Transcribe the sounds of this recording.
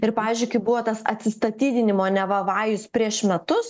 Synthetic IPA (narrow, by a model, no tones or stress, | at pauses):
ɪɾpɑːʋʲiːzʲd͡ʒʲʊɪkɐɪbʊʋoːt̪ɐsɐ̰t̪ʲsʲɪst̪ɐt̪ʲiːd̪ʲɪnʲɪmoːnʲɛʋɐʋɑːjʊspʲɾʲiɛʃmʲɛt̪ʊs